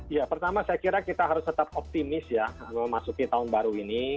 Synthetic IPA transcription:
japərt̪amasajakiɾakit̪aɦaɾʊst̪ət̪ap̚ɔp̚t̪imɪsjaməmasukit̪aʊnbaɾuini

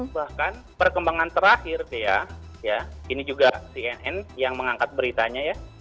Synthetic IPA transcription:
bahkanpərkəmbaŋant̪əɾahɪrt̪ija̰ | jainid͡ʒuɡasiɛnɛnjaŋməŋaŋkat̪̚bəɾit̪aɲaja

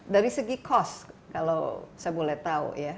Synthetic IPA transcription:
daɾisəɡikʰɔskala̰wsajabolɛht̪aṵja

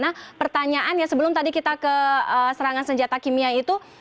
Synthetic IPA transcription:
napərt̪aɲaʔanjasəbəlʊmt̪adikit̪akəəsəɾaŋansəɲd͡ʒat̪akimiait̪u

